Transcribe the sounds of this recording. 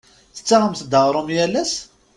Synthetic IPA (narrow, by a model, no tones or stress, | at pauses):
θə̥t͡sːaʁəmθd̪əʁɾˤʊmjælæs